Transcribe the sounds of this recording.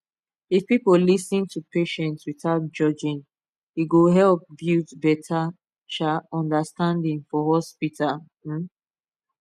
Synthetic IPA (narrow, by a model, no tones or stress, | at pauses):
ifpipolisĩntʰupeʃɛ̃ntswiθaʊt̚d͡ʒɔd͡ʒĩn | hiɡoɦɛlp̚bjutbɛtʰa | ʃaɔ̃ndastãndĩŋfɔɦɔspitʰa